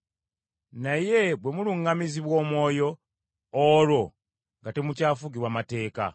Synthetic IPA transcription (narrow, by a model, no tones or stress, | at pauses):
naje̞bwe̞muluŋɡamiziβwo̞ːmwo̞ːjo̞ː | lo̞ | ŋɡate̞mucaːfuɡiwamate̞ːka̰